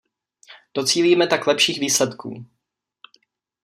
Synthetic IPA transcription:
d̥o̞t͡siːliːmɛt̪aklɛpʃiːɣviːslɛt̪kṵː

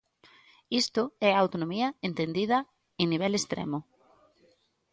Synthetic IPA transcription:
ist̪ʊɛaawt̪onõmiɐent̪end̪iðɐ | eniβ̞ɛlest̪ɾḛmʊ

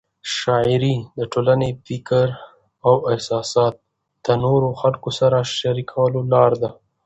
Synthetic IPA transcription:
ʃɑɪɾid̪əʈolanefɪkəɾ | awɪhsɑsɑt̪̚ | d̪̥ənoɾoxalkosaɾaʃaɾikʰawəlolɑɾd̪a

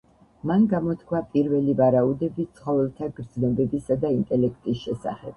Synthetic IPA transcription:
manɡamɔt̪ʰkʰwapʼiɾvɛlivaɾaud̪ɛbit̪sʰχɔvɛlˠt̪ʰaɡɾd̪znɔbɛbisad̪aint̪ʼɛlɛkʰt̪ʼisʃɛsa̰χɛb̥

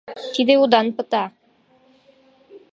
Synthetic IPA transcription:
t̪id̪eud̪ɑnpɤ̆t̪ɑ

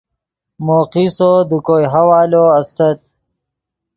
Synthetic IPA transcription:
moːqisod̪ukoːjɦawaːloɐst̪ɐt̪̚

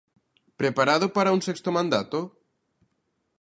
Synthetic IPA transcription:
pɾepaɾaðopaɾaunsekst̪omãnd̪at̪o

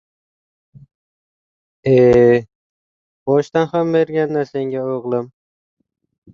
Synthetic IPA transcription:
e | b̥ɒʃt̪anhambeɾɡʲanːaseŋɡʲaoʁlˠɨm

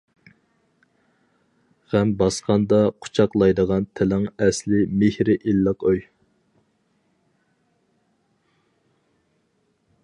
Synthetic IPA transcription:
ʁæmbɑsqʰɑnd̪ɑqʰʊ̥t͡ʃʰɑqlˠɑjd̪əʁɑnt̪ʰɛlɪŋɛslɪmehɾɪʔilːəqøj

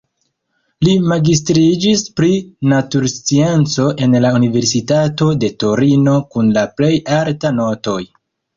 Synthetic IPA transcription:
limaɡistɾid͡ʒispɾinatuɾst͡sie̞nt͡so̞ʔe̞nlaunive̞ɾsitato̞de̞to̞ɾino̞kunlaple̞jaltano̞to̞j

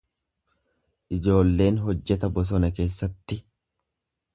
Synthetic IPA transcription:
ʔɪd͡ʒo̞ːlːe̞ːnɦɔd͡ʒːɛt̪ɐbɔs̬ɔnɐke̞ːsːɐt̪ːɪ

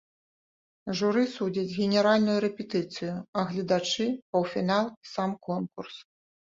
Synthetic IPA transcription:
ʐuɾɨsud͡zʲɐd͡zʲɣʲɛnʲɛɾalʲnujuɾɛpʲɛt̪ɨt̪sɨjʊɐɣlʲɐd̪at͡ʂɨpɐwfʲinalˠsamkɔnkurs

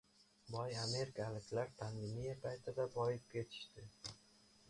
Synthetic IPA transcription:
bɒjame̞ɾkʲʰalɪkʲʰlaɾt̪ʰanvɪnijapʰajt̪ʰɪd̪abɒjɪp̚kʲʰe̞t̪ʰɪ̥ʃt̪ɪ

